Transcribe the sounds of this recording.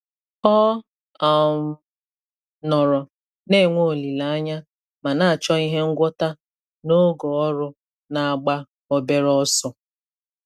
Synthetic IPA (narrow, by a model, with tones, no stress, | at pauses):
ɔ˦ | a˨m˨ | nɔ˨ɾɔ˨ | ne˦˨ŋʷo˦˨li˨la˨a˦ɲa˦ | ma˨na˦a˨t͡ʃɔ˦i˦ɦe˦ŋ̩˦ɡʷɔ˦ta˦ | no˦ɡɔ˨ɔ˦ɾʊ˦ | na˨a˨ɡ͡ba˦ | o˨be˦ɾɔ˦sʊ˦